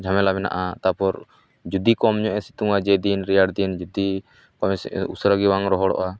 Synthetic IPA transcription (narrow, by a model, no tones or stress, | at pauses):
d͡ʒʱamɛlabɛna̰ʔat̪apɔɾ | d͡ʒud̪ikɔmɲɔʔɛsi̥t̪uŋad͡ʒɛd̪inɾijaɽd̪ind͡ʒud̪i | kɔɛsusɾaɡiwaŋɾɔɦɔɽɔ̰ʔa